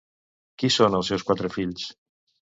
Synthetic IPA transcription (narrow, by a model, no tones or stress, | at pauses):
kisonəlˠsɛwskwat̪ɾəfiʎs